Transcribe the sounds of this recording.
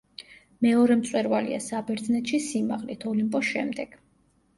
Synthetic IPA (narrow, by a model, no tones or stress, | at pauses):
mɛɔɾɛmt̪sʼwɛɾvalḭa̰sabɛɾd̪znɛt̪ʃisimaʁlit̪ʰɔlimpʼɔsʃɛmd̪ɛɡ̥